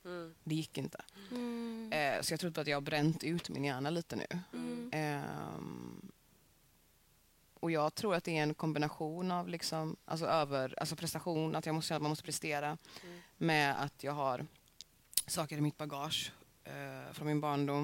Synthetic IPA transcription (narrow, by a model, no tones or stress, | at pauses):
d̪ɛjɪkːɪnt̪ʰə̥̰ | sɔjɑɡt̪ɾʊːd̪əbɾat̪jɑɡhabɾɛnt̪ʉ̟ːt̪mɪ̰njæːɳaliːt̪ənʉ̰ː | ɔjɑːɡt̪ʰɾuːɾat̪̚d̪ɛæɾɛnkʰɔmbɪnaɧuːnavlɪksɔmʔa̰ls̬ɔøːvəɾalsɔpʰɾɛst̪aɧuːnʔat̪jɑːmɔst̪ɛnːat̪manmɔst̪əpʰɾɛst̪eːɾa | mɛa̰t̪ʰjɑːɡɦaɾ | sɑːkəɾɪmɪt̪̚baɡɑːʂ | fɾɔnmɪnbɑːɳɖʊm